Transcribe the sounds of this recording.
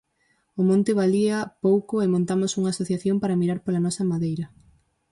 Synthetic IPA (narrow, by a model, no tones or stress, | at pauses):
ʊmõnt̪eβaliɐpowkʊemõnt̪amʊsuŋaːsoθjaθjompaɾɐmiɾaɾpolanɔsɐmaðejɾɐ